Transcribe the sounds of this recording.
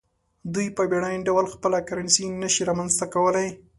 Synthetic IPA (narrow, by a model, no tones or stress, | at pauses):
d̪ujpəbeɽajnɖawəlxpəlakaɾansinːəʃiɾamanzt̪akawəlaj